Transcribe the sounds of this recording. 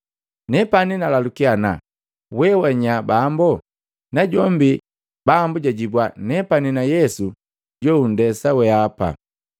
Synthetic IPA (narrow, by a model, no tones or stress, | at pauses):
nɛpaninalalukiana̰ | wɛwaɲabambɔ | naɟɔmbi | bambuɟaɟibwanɛpaninajɛsu | ɟɔun̩dɛsawɛapa̰